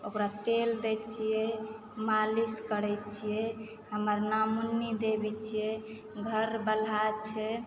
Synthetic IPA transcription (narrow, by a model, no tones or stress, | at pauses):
okɾat̪eld̪ɛt͡ʃʰijɛ | maliskəɾɛt͡ʃʰijɛ | həməɾnamunid̪ebɛt͡ʃʰijɛ | ɡʱəɾbəlat͡ʃʰɛ